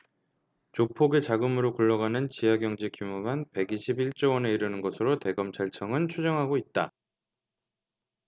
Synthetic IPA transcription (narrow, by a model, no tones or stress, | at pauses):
t͡ɕopʰoɡet͡ɕaɡɯmɯɾokuɭːʌɡanɯnt͡ɕijaɡjʌŋd͡ʑekʰimumanpe̞ɡiɕʰibiɭt͡ɕ͈owʌne̞iɾɯnɯnɡʌsʰɯɾote̞ɡʌmt͡ɕʰaɭt͡ɕʰʌŋɯnt͡ɕʰud͡ʑʌŋɦaɡoit̚t͈a